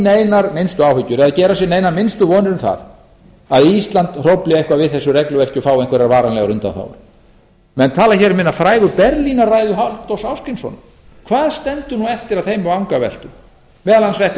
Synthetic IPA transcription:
neːjnaɾmɪnst̪ʏawhʏcːʏɾɛðaðcɛːɾasjɛneːjnaɾmɪnst̪ʏvɔːnɪɾɪmθa̰ð | aðist̪lant̪r̥owplɪehkvavɪðθɛsːʏrɛklʏvɛl̥cʏfaːwejŋkʰvɛɾɪɾvaːɾanlɛɣaɾʏnt̪a̰θa̰wɾʏ̰ | mɛnt̪ʰaːlaçɛɾmɪnːafɾaːjɣʏpɛɾlinarajðʏɦalt̪owsawskɪjnsɔ̰n | kʰvaːðst̪ɛnt̪ʏnuɛft̪ɪɾaðθejmaawŋkavɛ̰l̥t̪ʏm | vɛːðalhansɛht̪

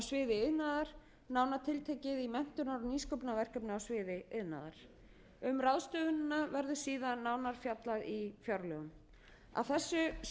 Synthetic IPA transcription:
awsvɪːðɪɪðnaːðaɾ̥ | naːwnat̪ʰɪlt̪ʰeːjcɪðimɛn̥t̪ʏnaɾɔniːskowpnavɛr̥kœpnaawsvɪːðɪɪðna̰ːða̰ɾ̥ | ʏmraðst̪œːɣʏnnːavɛɾðʏsiːðanːaːwnaɾ̥fjat̪laðifjawɾlœɣʏm | a̰θɛsːʏ

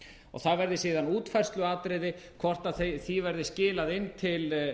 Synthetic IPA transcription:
ɔ̰ɣθaðvɛɾðɪsiːðanuːt̪fɛr̥st̪lʏaːt̪ɾɪðɪkʰvɔr̥t̪aðθθivɛɾðɪscɪːlaðɪnːt̪ʰɪl

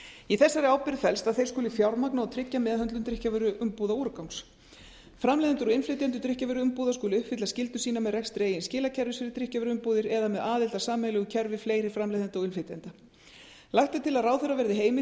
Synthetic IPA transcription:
iθɛsːaɾɪawpɪɾfɛlst̪aðθejɾ̥skʏːlɪfjawɾmaknaɔwt̪ʰɾɪcːamɛðhɦœnt̪lʏmt̪ɾɪhcavʏɾʏʔʏmpuːðauɾkawŋs | fɾamlejðant̪ʏɾɔɪnflɪt̪ɛnt̪ʏt̪ɾɪhcavɛɾʏʏmpuːðaskuːlɪʏhpfɪt̪lascɪlt̪ʏ̥siːnamɛðrɛkst̪ɾeːjɪnscɪːlacʰɛɾvɪsfɪɾɪt̪ɾɪhcavʏɾʏʏmpuːðɪɾɛðamɛðaːðɪlt̪asaːmɛlʏɣʏcʰɛɾvɪfleːjɾɪfɾamlejðant̪ɔɣɪnflet̪jɛnt̪a | lajht̪at̪ʰɪlaðrawθɛrːavɛɾðɪɦeːjmɪ

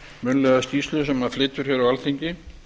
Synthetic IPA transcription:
mʏnlɛɣast̪iːst̪lʏsɛmːaflɪt̪ːʏɾ̥çɛɾawalt̪ʰiɲcɪ

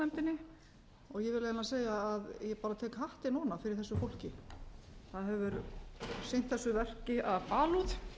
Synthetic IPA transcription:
ɛmt̪ɪnɪ | ɔɣjɛvɪɾlejnaseːjaːðjɛpaːɾat̪ʰɛːkɦaht̪ɪnɔːnafɪɾɪɾ̥θɛsːʏfowl̥cɪ | θaðɦɛvʏɾsejnt̪θɛsːʏvɛr̥cɪʔaðpaːluð

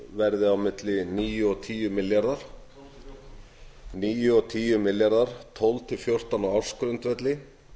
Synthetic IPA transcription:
vɛɾðɪawmɪt̪lɪniːjʏɔt̪ʰiːjʏmɪljaɾðaɾ̥ | niːjʏɔt̪ʰiːjʏmɪljaɾðaɾ̥t̪ʰɔwlt̪ʰɪfjowr̥t̪anawawɾ̥skɾʏnt̪vɛt̪lɪ

